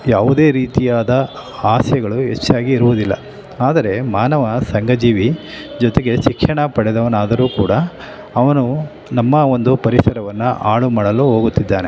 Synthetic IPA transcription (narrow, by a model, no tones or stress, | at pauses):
jaːʋud̪e̞ːɾiːt̪ijaːd̪ɐaːsjɐɡɐɭuɦḛt͡ʃːaːɡiːɾuʋud̪ilːɐ̰ | aːd̪ɐɾe̞maːnɐʋɐsɐŋɡɐd͡ʒiːʋi | d͡ʒɔt̪eɡe̞t͡ʃikʂɐɳɐpɐɽɛd̪ɐʋɐnaːd̪ɐɾuːkuːɽɐː | ʋɐnu | nɐmːɐo̞nd̪upɐɾisɐɾɐʋɐnːuʔaːɭumaːɽɐluɦo̞ːɡut̪ːid̪ːaːne̞̰